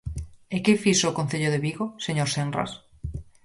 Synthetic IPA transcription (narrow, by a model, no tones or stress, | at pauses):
ekefisoːkon̟θeʎoðeβiɣoseɲoɾsenra̰s